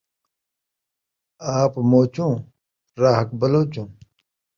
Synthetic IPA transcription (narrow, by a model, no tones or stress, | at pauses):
aːpmoːt͡ɕũː | ɾaːɦɐk̚bɐloːt͡ɕũː